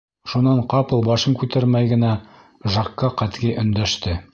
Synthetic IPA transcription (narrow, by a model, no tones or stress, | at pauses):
ʃunɑɴqɑpɤlˠbɑʃɤŋkʉt̪æɾmæjɡɘ̆næ | ʒɑqːɑqæt̪ɡiʔɵ̆nd̪æʃt̪ɘ